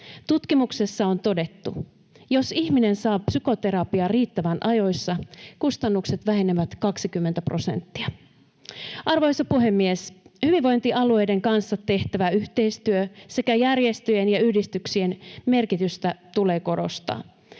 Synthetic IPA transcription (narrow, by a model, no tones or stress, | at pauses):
t̪ut̪kimukse̞sːɑo̞nt̪o̞de̞t̪ːṵ | jo̞sihmine̞nsɑːpsyko̞t̪e̞ɾɑpiɑriːt̪ːæʋænʔɑjo̞jsːɑkust̪ɑnːukse̞t̪ʋæɦe̞neʋæt̪kɑksikymːent̪æpro̞se̞̰nt̪ːiɑ | ʔɑrʋoisɑpuɦe̞mːieshyʋiʋʋo̞jnt̪iʔɑlue̞jde̞ŋkɑnsːɑt̪e̞ht̪æʋæyht̪e̞ist̪yøse̞kæjærje̞st̪yjenjɑyhdist̪yksie̞nme̞rkit̪yst̪æt̪ule̞ːko̞ɾo̞̰st̪ɑ̰ː